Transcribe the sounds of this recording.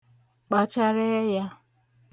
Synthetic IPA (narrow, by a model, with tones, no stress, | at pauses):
k͡pa˨t͡ʃa˦ɾe˦ja˦